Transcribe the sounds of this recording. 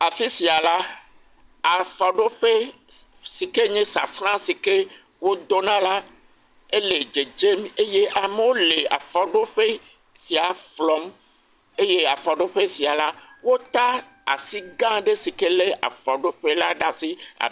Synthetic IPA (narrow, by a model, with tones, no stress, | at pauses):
a˨fi˦si˨a˨la˦ | a˨fɔ˨ɖo˦ɸe˦ | si˨ke˦ɲɛ̃˦sa̰˨sɾ̃ã˦si˨ke˦ | wo˦d̪o˦nã˦la˦ | e˦le˨d͡ʒe˨d͡ʒe˦me˦je˦ʔa˨me˦wo˦le˨a̰˨fɔ˨ɖo˦ɸe˦ | si˨a˨flɔ˨m | e˦je˦a˨fɔ˨ɖo˦ɸe˦si˨a˨la˦wo˦t̪a˦ | a̰˨si˦ɡã˦ɖe˦si˨ke˦le˦a̰˨fɔ˨ɖo˦ɸe˦la˦ɖa˦si˦a̰˨